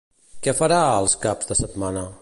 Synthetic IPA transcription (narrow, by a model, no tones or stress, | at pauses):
kɛfəɾaəlˠskabz̥d̪əsət̪manə